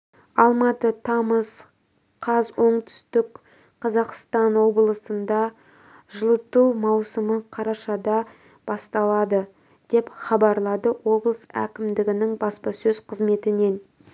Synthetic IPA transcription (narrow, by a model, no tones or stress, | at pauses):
ɑlˠmɑt̪ət̪ʰɑməz | qʰɑzwo̞ɴt̪ʰʏ̥st̪ɪk | qʰɑzɑqst̪ɑnwo̞blˠəsənd̪ɑ | ʒəlˠət̪uwmɑwsəməqʰɑɾɑʃɑd̪ɑ | b̥ɑst̪ɑlˠɑd̪ə | d̪̥e̞pχɑbɑɾlˠɑd̪əwo̞blˠəsæ̰kʲɪmd̪ɪɡʲɪnɪŋbɑspɑsɵzqʰəzme̞t̪ɪne̞n